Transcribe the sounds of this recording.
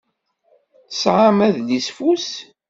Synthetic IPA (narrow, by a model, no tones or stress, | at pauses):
sʕamæðlisfus